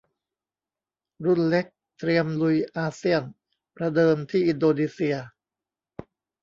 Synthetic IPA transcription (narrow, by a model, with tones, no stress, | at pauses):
ɾu˥˩nle˦˥k̚ | t̪ɾi˧əmlu˧jʔaː˧si˥˩ən | pɾa˧dɤː˧mt̪ʰiː˥˩ʔi˧ndoː˧niː˧si˧ɐ